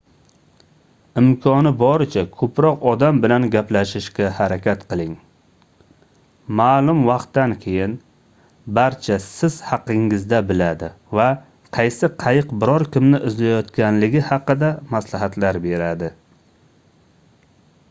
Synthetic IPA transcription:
ɪmkʰɒnɪbɒɾɪt͡ʃʰakʰɵpɾɒqɒd̪ambɪlanɡʲaplaʃɪʃɡʲahaɾakʲʰat̪qʰɨlˠɪŋ | maːlˠʊmvɑqt̪ːankʲʰe̞jɪn | baɾt͡ʃʰasɪz̥hɑqːɪŋɪzd̪abɪlad̪ɪ | va | qʰɑjsɪqʰɑjɪqbɪɾɒɾkʲɪmnɪʔɪzlajɒt̪kʲanlɪɡʲɪhɑqɨd̪amaslaɦat̪laɾbe̞ɾad̪ɪ

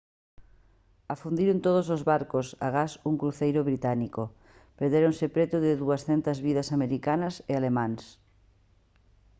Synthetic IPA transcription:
afund̪iɾent̪oð̞osozβaɾkosa̰ɣasuŋkɾuθejɾʊβɾit̪aniko | peɾðeɾonsɪpɾet̪uðɪðuɐsθɛnt̪ɐzβiðɐsameɾikanɐsealemãŋs

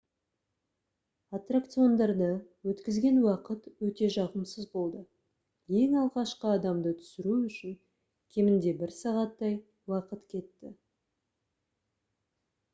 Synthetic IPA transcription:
at̪rakt̪sɨjo̞nd̪ɑɾd̪əwɵt̪kʲɪzɡʲe̞nwɑqət̪wɵt̪e̞ʒɑʁəmsəzbo̞lˠd̪ə | je̞ŋɑlˠʁɑʃqəɑd̪ɑmd̪ət̪ʰʏ̥sɪɾuʏʃɪŋ | kʲʰe̞mɪnd̪e̞bɪɾsɑʁɑt̪ːɑj | wɑqət̪kʲʰe̞t̪ːɪ

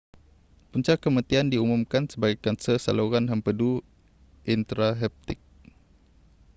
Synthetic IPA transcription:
puɲt͡ʃakːəmãt̪iandiumumkansəbaɡɛkːansəsa̰loɣanɦəmpədu | ʔint̪ɾaɦɛp̚t̪ɪk̚

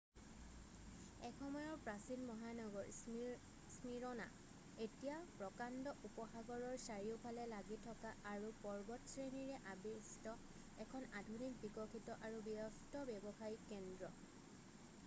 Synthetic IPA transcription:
ɛkʰxɔmɔjɔɹpɹasinmɔɦanɔɡɔɹ | smiɹɔna̰ | etijapɹɔkandɔʔupɔxaɡɔɹɔɹsaɹiʊpʰalɛlaɡitʰɔkaaɹupɔɹbɔtsɹeniɹɛʔabistɔ | ɛkʰɔnadʱunik̚bikɔkʰitɔʔaɹubiɔstɔbɛbɔxajikɛndɹɔ

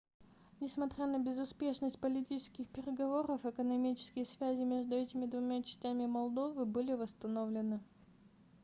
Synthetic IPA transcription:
nʲɪsmɐt̪ɾʲanəbʲɪzʊspʲe̞ʂnəsʲt̚ʲpəlʲɪtʲit͡ɕɪ̥skʲɪxpʲɪɾʲɪɡɐvo̞ɾəfɨkənɐmʲit͡ɕɪ̥skʲɪjəsvʲæzʲɪmʲe̞ʐd̪ʊɛtʲɪmʲɪd̪vʊmʲat͡ɕɪ̥sʲtʲæmʲɪmɐlˠd̪o̞vɨbɨlʲɪvəst̪ɐnovlʲɪnɨ

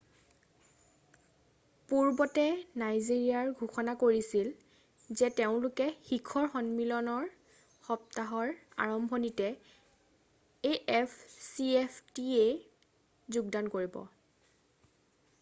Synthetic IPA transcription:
puɹbɔtɛnajziɹiaɹɡʱuxɔnakoɹisil | zɛteʊ̃lʊkɛxikʰɔɹxɔnmilɔnɔɹ | xɔp̚taɦɔɹa̰ɹɔmbʱɔnitɛ | eʔɛpʰsiepʰtie | zuɡ̚dankoɹibɔ̰

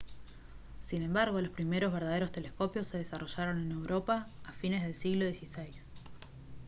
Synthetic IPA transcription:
sine̞mbaɾɣo̞lo̞spɾime̞ɾo̞zβeɾðað̞eɾo̞st̪e̞lesko̞pjo̞sːe̞ðesaro̞ʒaɾo̞ne̞ne̞wɾo̞paːfinezð̞e̞lsiɣlo̞ðjesisejs

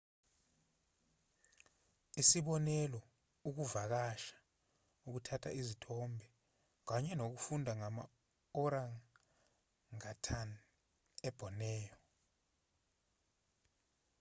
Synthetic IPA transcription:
isiɓɔnɛlɔ | uk̬uvak̬aʃḁ | uk̬utʰatʰa̰izitʰɔmbʱɛ | k̬aɲɛnok̬ufundʱaŋama̰ | ɔɾaŋ | ŋatʰan | ɛb̥ʱɔnɛːjɔ

